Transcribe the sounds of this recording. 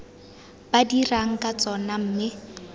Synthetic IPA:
badiraŋ̩kʼat͡sʼɔnam̩ːmɪ

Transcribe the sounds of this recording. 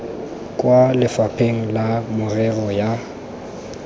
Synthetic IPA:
kʼwalɪfapʰeŋ̩lamʊrɛɣɔja

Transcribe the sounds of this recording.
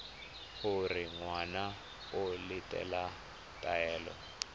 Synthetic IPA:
huriŋwana | olitʼɛ̰la | tʼaɛːlɔ̰

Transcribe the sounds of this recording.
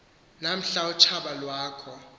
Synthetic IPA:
nam̩ɬaut͡ʃʰaɓalwaːkʰɔ

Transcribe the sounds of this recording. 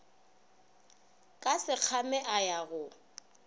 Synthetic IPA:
kʼasɪq͡χʰamɛʔajaɣʊ

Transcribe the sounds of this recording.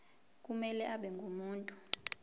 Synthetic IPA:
k̬ʼumɛlɛʔaɓɛŋɡʱumuːntʼu

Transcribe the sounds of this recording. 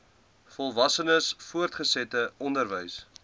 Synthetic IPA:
fɔlˠvɐsənəsfuərtχəsɛtəɔndərvəjs

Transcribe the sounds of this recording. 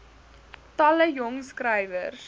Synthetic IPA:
tɐləjɔŋskrɛjvərs

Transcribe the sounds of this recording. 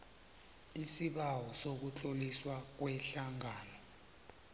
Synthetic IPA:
isiɓawɔsok̬ut͡ɬʼoliswak̬wɛɬaŋaːnɔ

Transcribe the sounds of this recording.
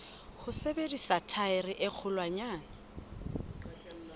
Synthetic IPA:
hʊsebedisatʰaɪrɪʔɪk͡xʰʊlwaɲaːna

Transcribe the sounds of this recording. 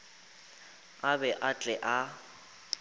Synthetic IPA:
abɛʔat͡ɬʼɛʔa

